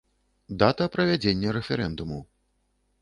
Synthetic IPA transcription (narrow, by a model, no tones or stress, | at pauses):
d̪at̪ɐpɾɐvʲad͡zʲenʲːɐɾɛfʲɛɾɛnd̪umu